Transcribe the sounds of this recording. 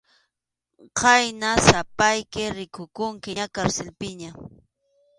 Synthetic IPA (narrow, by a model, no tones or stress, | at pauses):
qɑjnasapajkɪɾɪkʊkʊŋkɪakaɾselpɪɲa